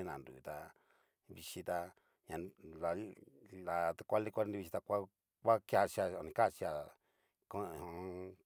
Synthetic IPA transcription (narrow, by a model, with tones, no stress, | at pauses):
ĩ˦nã˨ndṵ˨t̪a˧ | βi˧ʃi˧t̪a˧ | ɲã˨˧la˨la˨t̪a˧kʷa˦li˦˧kʷa˦ni˧βi˧ʃi˧t̪a˧kʷa˦ | kʷa˦kja˧t͡ʃa˧o˨nĩ˧ka˦˨t͡ʃi˧a˨ | ko˦˨hõ˧˦